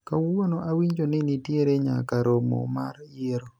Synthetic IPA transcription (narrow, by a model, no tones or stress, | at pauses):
kawonoʔawiɲd͡ʒonɪnɪtjeɾeɲa̰kaɾʔomo̰maɾjeɾo